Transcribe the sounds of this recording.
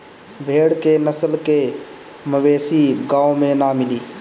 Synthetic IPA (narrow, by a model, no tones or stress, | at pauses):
bʱeːɽkenəsəlke | məweːsiɡaːomẽnamɪliː